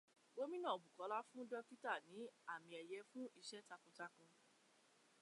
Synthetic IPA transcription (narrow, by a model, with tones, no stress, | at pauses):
ɡ͡bo˨˦mĩ˦nã˦˨bu˨kɔ˨˦la˦fũ˦dɔ˦ki˦ta˦˨nĩ˨˦a˦˨mĩ˧ɛ˨jɛ˨˦fũ˦i˦˧ʃɛ˦ta˧kũ˧ta˧kũ˧